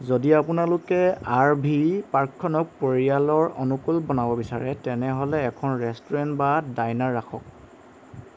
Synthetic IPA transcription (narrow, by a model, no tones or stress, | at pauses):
zodiapunalʊkɛaɹbʱiɹpaɹkʰːɔnɔk̚poɹialɔɹɔ̰nukulbɔnabɔbisaɹɛtɛnɛɦɔlɛːkʰɔnɹɛstɔɹɛntbadajnaɹːaxʰɔ̰k̚